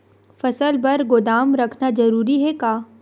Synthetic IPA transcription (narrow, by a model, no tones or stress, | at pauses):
fɐsəlbɐɾɡʊd̪aːmɾɐkʰnazɐɾuːɾiɦɛkaː